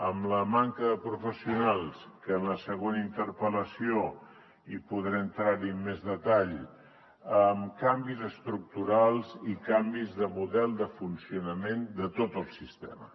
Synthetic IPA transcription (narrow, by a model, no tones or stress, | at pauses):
əmləmaŋkəðəpɾufəsiunalˠskəːnləsəɣonəint̪əɾpələsio | ipuðɾeənt̪ɾaɾimmezðət̪aʎ | əmkambizəst̪ɾuk̚t̪uɾalˠzikambizðəmuðɛlˠd̪əfunsiunəmend̪ət̪ot̪əlˠsist̪ɛ̰mə